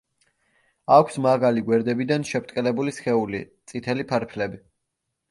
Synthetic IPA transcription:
akʷʰsmaɡaliɡwɛɾd̪ɛbid̪anʃɛpʰt̪ʼkʼɛlɛbulisχɛulḭt̪sʼit̪ʰɛlipʰaɾpʰlɛbi

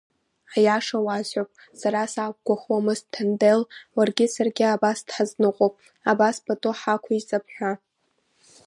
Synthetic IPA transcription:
ħjaʂawazʕopʼ | saɾasak̚ʷɡʷaχwamɨztʰandelwarɡʲɪsarɡʲɪabasd̥ħaznɨqʷʼopʼ | abaspʰʼatʼoħakʷʰait͡sʼapʰħʷᶣa

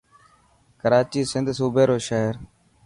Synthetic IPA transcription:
kəɾaːt͡ʃiːsɪnd̪ʱsuːbʱeːɾoːʃəɦəɾ

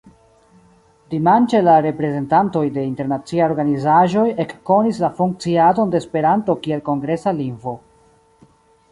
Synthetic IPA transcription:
d̥imant͡ʃe̞laɾe̞pɾe̞ze̞ntanto̞jde̞inte̞ɾnat͡siajoɾɡanizaʒo̞je̞kːo̞nislafuŋk̚t͡siado̞nde̞ːspe̞ɾanto̞kie̞lko̞ŋɡɾe̞saliŋvo̞

